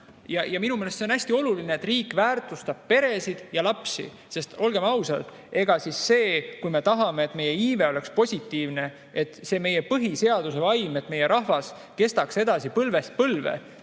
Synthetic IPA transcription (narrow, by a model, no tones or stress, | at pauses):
jɑjɑminumeːlest̪seo̞næsʲt̪io̞lulineːt̪ːriːkːˑvæːrt̪ˑust̪ɑb̥̚pe̞ɾe̞sid̪̥jɑlɑpsḭ | se̞st̪o̞lɡ̥e̞mɑwsɑlt̪ | e̞ɡ̥ɑsisːe̞ːkujme̞t̪ɑɦɑme̞ːt̪ːˑme̞je̞iːve̞o̞le̞kspo̞sʲit̪ːˑiːvne̞ | et̪ːˑse̞me̞jepɤɦise̞ɑd̪̥use̞vɑjmet̪ːˑme̞je̞ɾʔɑɦvɑs | ke̞st̪ɑkse̞d̪̥ɑsipɤlve̞st̪̚pɤlvḛ